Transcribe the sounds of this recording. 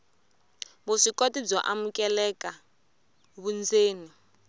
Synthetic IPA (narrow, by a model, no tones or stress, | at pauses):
βuʂikotid͡zɔʔamukʼɛlɛka | βund͡zeːni